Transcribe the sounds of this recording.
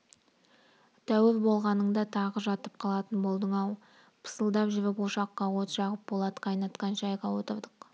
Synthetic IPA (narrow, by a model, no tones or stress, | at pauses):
t̪ʰæwɪɾbo̞lˠʁɑnəɴd̪ɑt̪ʰɑʁəʒɑt̪əp̚qʰɑlˠɑt̪ənbo̞lˠd̪əɴɑw | pʰə̥səlˠd̪ɑpʒɪvɪpuʃɑqːɑwo̞t̪ʒɑʁəp̚bo̞lˠɑd̪ə̥qʰɑjnɑt̪qɑnʃɑjʁɑwo̞t̪əɾd̪əq